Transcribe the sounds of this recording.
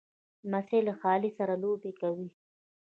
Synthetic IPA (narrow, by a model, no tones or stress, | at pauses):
maselaxɑːlisaɾalobekawi